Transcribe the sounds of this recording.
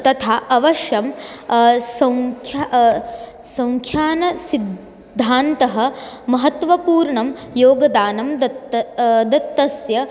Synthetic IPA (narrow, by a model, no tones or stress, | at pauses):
t̪ɐt̪ʰaːʔɐʋɐʃjɐm | sɐ̃ŋkʰa | sɐ̃ŋkʰjaːnɐsid̪ʱː | aːnt̪ɐɦɐ̆mɐɦɐt̪ʋɐpuːɾɳɐmjoːɡɐd̪aːnɐmd̪ɐt̪ːɐd̪ɐt̪ːɐsjɐ